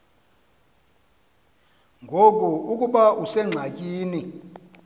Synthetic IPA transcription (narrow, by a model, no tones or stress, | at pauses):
ŋɡʱok̬ʼuukʼuɓausɛŋ͡ǁʱakʼiːni